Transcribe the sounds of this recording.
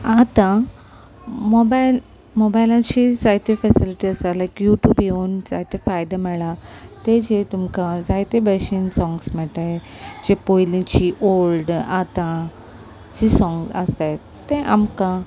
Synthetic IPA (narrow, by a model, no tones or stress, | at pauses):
at̪ã | mobaɪl | mobajlãt͡ɕisajt̪efɛsiliʈiəsalajkjuːʈjuːbionsa̰jt̪ifajd̪amɛɭat̪ed͡ʑet̪umkãzajt̪ebəʃĩnsɔ̃ŋɡsmɛʈa | d͡ʑepojlĩt͡ɕiʔolɖat̪ã | t͡ɕisɔ̃ŋɡsə̰st̪a | t̪ẽʔamkã